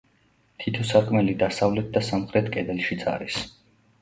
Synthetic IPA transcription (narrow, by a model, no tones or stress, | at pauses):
t̪ʰit̪ʰɔsaɾkʼmɛlid̪asavlɛt̪̚ʰd̪asamχɾɛt̪ʰkʼɛd̪ɛlʃit̪sʼa̰ɾis